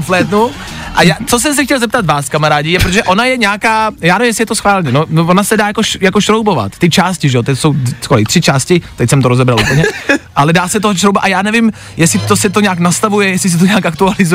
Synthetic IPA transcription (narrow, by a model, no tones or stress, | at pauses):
flɛːd̪nu | ʔajaːt͡sos̬ɛms̬ɛxcɛlzɛp̚t̪at̪vaːskamaɾaːɟɪjɛpɾot̪oʒɛʔo̞najɛɲɛakaːjaːnɛvimjɛsɪjɛt̪osxvaːlɲɛnonovonasɛdaːjakoʃjakoʃɾowbo̞va̰t̪ːɪt͡ʃaːscɪʒɛot̪ɛcsowskoɾɪt̪r̥ɪt͡ʃaːscɪt̪ɛcsɛmt̪oɾozɛbɾalʔupl̩ɲɛʔalɛdaːsɛt̪oɦʃɾowbaʔajaːnɛvɪm | jɛsɪt̪osɛt̪oɲɛaknast̪avujɛjɛsɪs̬ɛt̪oɲɛakakt̪ualɪzu